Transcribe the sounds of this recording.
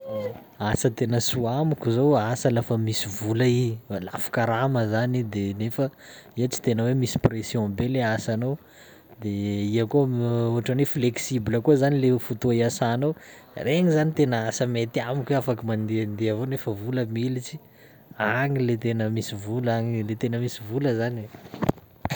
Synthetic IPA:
asət̪enəsuamikʲuzowasəlafəmisivulaila̰fu̥kaɾaməzanid̪enefəiət͡si̥t̪enəwemisi̥presjɔ̃beleasano | d̪eiakooɦaʈ͡ʂanifleksibiləkuzanilefut̪oiasanow | reŋizanit̪enəasəmet̪iamikʲafakimand̪end̪eavonefəvuləmilit͡si̥ | aŋilet̪enəmisivulaŋilet̪enəmisivuləzani

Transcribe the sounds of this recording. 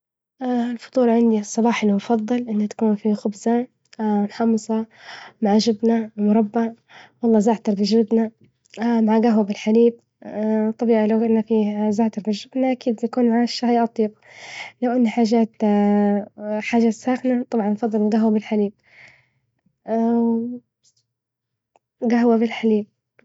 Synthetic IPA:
ɪlfʊ̥t̪ˤuːɾˤɑʕɪnd̪isˤːɑbɑːħɪlmʊfɑðˤːɨlʔɪnːat̪ḁkuːnfixʊbza | nħɑmːɨsˤɑmaʕaʒɪbnamʊɾˤɑbːa | wɑlˤːɑːzaːʕt̪ɑɾˤbɪʒɪbna | maʕaɡaɦwabɪlħaliːb̚ | t̪ˤːɑbiːʕilawʔɪnːafizaːʕt̪ɑɾˤbɪʒːɪbnaʔakiːd̪akuːnmaʕaʃːahjʔɑt̪ˤiːb | lawʔanːaħaːʒaːt̪ | ħaːʒasaːxnat̪ˤɑbʕɑnːfɑðˤːɨlɪlɡaɦwabɪlħaliːb̚ | ɡaɦwabɪlħaliːb̚

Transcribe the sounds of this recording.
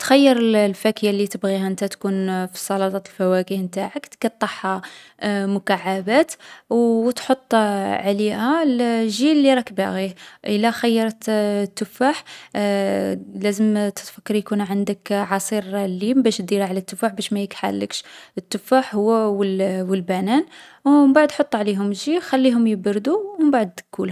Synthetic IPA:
t̪xæjːəɾˤəllfækəjalːit̪əbɣiɦæʔənt̪æt̪kunfi̥sˤɑlɑt̪ˤɑt̪əlfæwækihmt̪aʕəkt̪kɑt̪ˤːɑħhɑ | mʊkaʕːabæt̪wt̪ħot̪ˤːʕlihælʒilːiɾˤɑkbæɣiʔəlːæxæjːɑɾˤt̪t̪ːʊfaħ | læzəmt̪ə̥t̪fækːɑɾˤjkunʕənd̪əkʕɑsˤiɾlibæʃd̪iɾaʕlæt̪ːʊfaħbæʃmæjikħa̰lːə̰kʃət̪ːʊfaħhʊwːæwəwəlbænæn | wmbaʕd̪ħot̪ˤːuʕliɦʊmʒixælːiɦʊmjəbɾd̪uəmbaʕd̪kul

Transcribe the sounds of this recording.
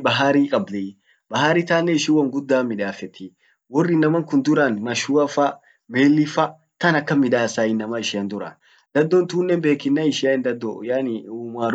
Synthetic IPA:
bɐɦaːɾiːkʼɐblɛ | bɐɦaːɾiːt̪aːnːɛɪʃɪwɐŋɡʊd̪ːaːmːɪᶑaːfɛt̪ːi | wɔrːɪnːɐmɐŋkʊnd̪ʊɾɐnmɐʃuɐfɐ | meːlːɪfɐ | t̪ɐnɐkːɐmːɪᶑaːsaːɪnːɐmɐɪʃɪɐnd̪ʊɾɐ̰n | d̪̥ɐd̪ːɔnt̪uːnːɛmbe̞ːkːɪnːɐɪʃɪɐnd̪ɐd̪ːɔjanumaːɾ

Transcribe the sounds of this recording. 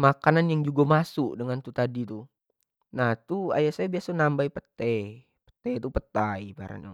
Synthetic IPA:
makananjaŋd͡ʒuɡamasuʔdəŋant̪ut̪adit̪u | naht̪ua̰jaʔsajabiasanambaipət̪ɛ | pə̥t̪et̪upət̪aiba̰ɾa̰na̰

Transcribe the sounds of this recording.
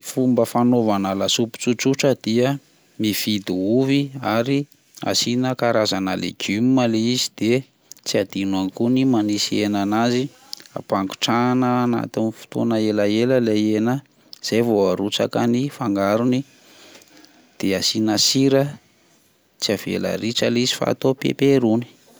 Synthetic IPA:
fumbəfanovanalasupu̥t͡suʈ͡ʂuʈ͡ʂəd̪̥iə | mifid̪uuviaɾi | a̰sinəkaɾazanəlḛɡymmaleizid̪̥e | t͡siad̪inankunimanisienanazi | a̰paŋɡu̥ʈ͡ʂanəːna̰t̪inifu̥t̪unəelaeləlejenə | z̥ejvoaɾut͡sa̰kanifaŋɡaɾuni | d̪̥easinəsiɾə | t͡siavḛla̰ɾiʈ͡ʂəlizifa̰a̰t̪opḛpeɾuni̥

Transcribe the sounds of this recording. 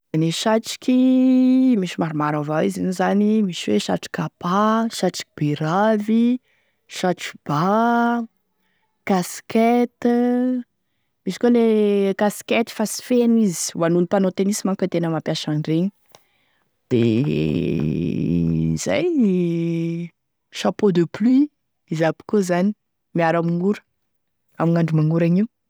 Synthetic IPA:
neʃaʈ͡ʂi̥kʲʰi | miʃimaɾumaɾavawizinizanimiʃiweʃa̰ʈ͡ʂi̥kapaʃaʈ͡ʂi̥kib̥iɾavi | ʃaʈ͡ʂu̥b̥a | kasket̪i | miʃikolekasket̪i̥fasi̥fenizi̥wanunipanot̪enisimaŋkʲət̪enəmapjaʃanɖ͡ʐeɲ | d̪̥ḛ | z̥a̰j | ʃapod̪əpli | izapi̥kozani̥ | miaɾamiŋuɾə̥ | amiŋaɳɖ͡ʐumaŋuɾaɲiw

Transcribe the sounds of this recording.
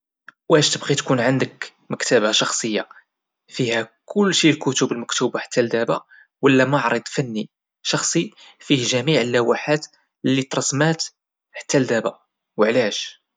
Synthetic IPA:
wæʃt̪əbqit̪kunʕənd̪ək | məkt̪æbaʃɑxsˤəjːa | fihækʰʊlːʃilkʊt̪ubəlməkt̪ubaħḁt̪ːæld̪æba̰ | wəlːæmɑʕɾˤəd̪ˤfænːi | ʃɑxsˤi | fihʒæmiʕəlːæwaħat̪ | lːit̪ɾˤɑsmæt̪ | ħḁt̪ːæld̪æba | wəʕlæʃ

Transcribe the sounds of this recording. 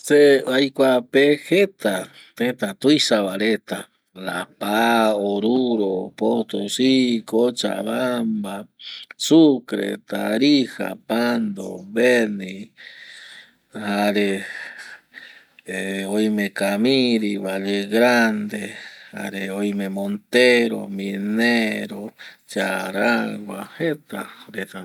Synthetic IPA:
seajkʷapehet̪a | t̪et̪at̪uisaβaɾet̪a | la̰paoɾuɾopot̪osikot͡ʃa̰βambasukɾḛt̪aɾiha̰pand̪o̰βeni | haɾe | eojmekamiɾiβaʎeɡɾand̪ea̰ɾeojmemont̪eɾo̰mineɾot͡ʃaɾawwahet̪aɾet̪a

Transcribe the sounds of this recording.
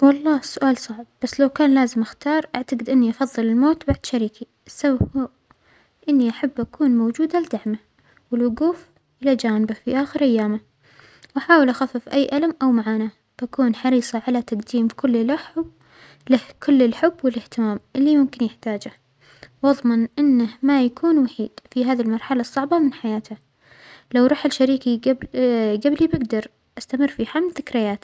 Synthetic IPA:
wɑlˤːɑːsʊʔaːlsˤɑʕb̚b̥asːlawkaːnlaːzɪmʔaxt̪ɑːɾˤʔaʕt̪aɡɪd̪ʔɪnːiʔɑfɑðˤːɨlɪlmoːt̪baʕd̪̥ʃaɾiːki | ʔasːababhː | ʔɪnːiʔaħabːʔakuːnmoːd͡ʒuːd̪alɪd̪aʕma | wɪlwʊɡuːf | ʔɪlad͡ʒaːnɪbafiʔaːxɪɾʔajːaːma | wʔaħaːwɪlʔaxafːɪfʔajːʔalamʔawmaʕaːna | b̥akuːnħɑɾiːsˤɑʕalat̪aqd̪iːmkʰʊlːɪlʔahʊb | lahkʊlːɪlħʊbːwɪlɪht̪ɪmaːmʔɪlːimʊmkɪnjɪħt̪aːd͡ʒah | wɑðˤmɑnʔɪnːahmajakʰuːnwaħiːd̪̥fiɦaːðilmɑɾˤħalasˤːɑʕbɑmɪnħajaːt̪ha | lawɾˤuːħɪlʃaɾiːki | ɡablibɪɡd̪ɑɾˤ | ʔast̪amɪrːfiħamlθɪkɾɪjaːt̪

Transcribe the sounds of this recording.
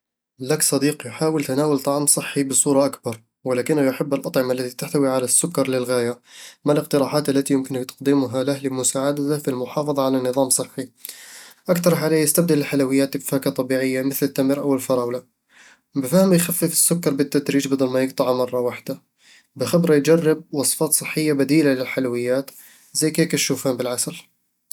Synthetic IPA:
laksˤɑd̪iːqjħaːwɪlt̪anaːwalt̪ˤɑʕmsˤɨħːibɨsˤuːɾˤɑʔakbɑɾˤ | wɪlaːkɪnːahjaħabːɪlʔɑt̪ˤʕɪmalːat̪it̪aħt̪awiʕalasːʊkːɑɾˤlɪlɣaːjamalɪq̚t̪ɨɾˤɑːħaːt̪ʔalːat̪ijʊmkɪnt̪ɑ̥qd̪imʊɦalahlɪmʊsaːʕad̪at̪afilmʊħɑːfɑðˤɑʕalanːɨðˤɑːmsˤɨħːi | ʔakt̪ɑɾˤħaleːjɪst̪ab̚d̪alːɪħalawɪjːaːt̪ɪkfaːkat̪ˤɑbiːʕɪjːamɪθlɪt̪ːamɾʔawɪlfɑɾˤɑːwla | bɪfahmjxafːɪfɪ̥sːʊkːɑɾˤbɪt̪ːad̪ɾiːd͡ʒbɪd̪ɑlmajɪɡ̚t̪ˤɑʕmɑrˤːɑwaħd̪̥a | bɪxɪbɾˤɑjd͡ʒɑrˤːɑb̚wɑsˤfɑːt̪sˤɨħːɪjːabad̪iːlalɪlħalawɪjːaːt̪ | zajːkeːkaʃuːfaːmbɪlʕasal

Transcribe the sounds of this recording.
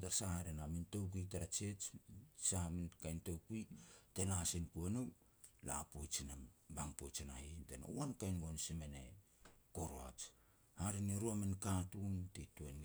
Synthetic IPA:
taɾsahaɾenamintok̬itaɾat͡ʃet͡ʃsahamenkajntowkuitenasinkuanow | la̰pojt͡ʃinabaŋpojt͡ʃinahitena̰uankajnɡonsimene | koɾoat͡ʃ | haɾineɾuamenkatuntetuen

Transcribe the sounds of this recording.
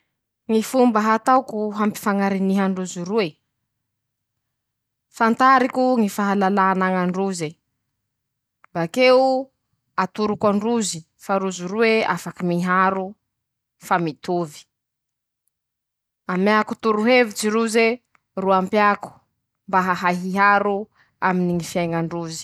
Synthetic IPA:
ŋifumbəɦat̪awkuɦampi̥faŋaɾiniɦaɳɖ͡ʐuziɾue | fant̪aɾikuŋifaɦalalanaŋaɳɖ͡ʐuze | mbakeu | at̪uɾukaɳɖ͡ʐuzi | faɾuziɾueafakimiɦaɾu | famit̪uvi̥ | amakut̪uɾuɦevit͡siɾuze | ruampjaku̥ | mbaɦaɦaɦiɦaɾu | aminiŋifiajŋaɳɖ͡ʐuzi̥

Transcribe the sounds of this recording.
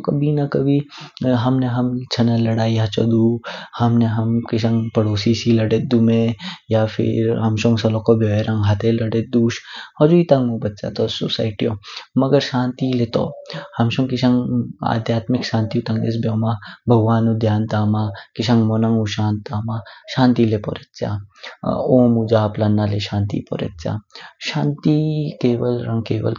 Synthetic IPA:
kɐbʱinɐkɐbʱiɦɐmneɦɐmt͡ʃʰɐnɐlɐɽaːiɦat͡ʃɔ̰d̪uhɐmneɦɐmkɪʃ̬ɐŋɡpɐɽoːsisilɐɽet̪̚d̪umejapʰɪ̰ɾɦɐmʃõŋɡsɐlokobjoːʋeɾɐ̃ŋɡɦat̪elɐɽed̪uːʃhɔd͡ʒuit̪ɐ̃ŋɡmũbɐt̪̚t͡ʃa̰ːt̪osusa̰ːɪʈijomɐɡəɾʃaːnt̪ilet̪o̰hɐmʃuŋkiãŋɡa̰d̪jaːt̪mikʃãːnt̪iut̪ãŋdḛs̬bjɔmabʱɐɡʋaːnud̪ʱjaːnt̪aːmakiʃãŋɡmɔnaŋɡuɕaːnt̪aːmaɕaːnt̪ilepɔ̰ɾet̪t͡sa̰ | omud͡ʒaːplanːaleɕaːnt̪ḭpɔ̰ɾə̰t̪̚t͡sa̰ʃaːnt̪ikeːʋəlɾɐŋkeːʋə̰l

